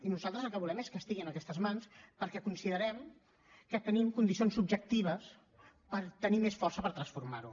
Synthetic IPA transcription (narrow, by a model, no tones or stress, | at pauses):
inuzalˠt̪ɾəzəlˠkəβulɛmeskəst̪iɣiənəkɛst̪əzmanspəɾkɛkunsiðəɾɛm | kət̪ənimkund̪isionsub̚d͡ʒək̚t̪iβ̞əs | pəɾt̪ənimesfɔrsəpəɾt̪ɾənsfuɾmaɾu